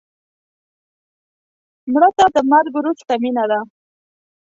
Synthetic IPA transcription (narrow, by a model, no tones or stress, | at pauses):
mɽət̪ad̪əmaɾɡɾust̪aminad̪a